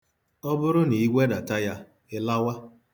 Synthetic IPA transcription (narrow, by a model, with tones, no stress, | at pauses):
ɔ˦bʊ˦ɾʊ˦ni˨i˦ɡʷe˦da˨ta˦ja˦ | ɪ˦la˦wa˦